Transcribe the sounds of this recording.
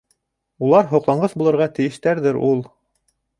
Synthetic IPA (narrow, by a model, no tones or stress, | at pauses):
ulˠɑɾɦŏqlˠɑɴɢɤθbulˠɤ̆ɾʁɑt̪ɘ̆jɘ̆ʃt̪æɾðɘɾulˠ